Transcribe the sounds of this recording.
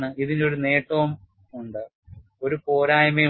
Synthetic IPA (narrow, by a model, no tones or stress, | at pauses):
ɳɨiðino̞ɾune̞ːʈːoːm | uɳɖɨ | o̞ɾupoːɾaːjɐme